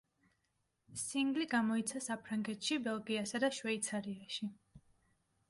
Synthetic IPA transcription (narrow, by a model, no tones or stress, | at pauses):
siŋɡliɡamɔit̪sʰasapʰɾaŋɡɛt̪ʃibɛlˠɡiasad̪aʃwɛit̪sʰaɾiaʃi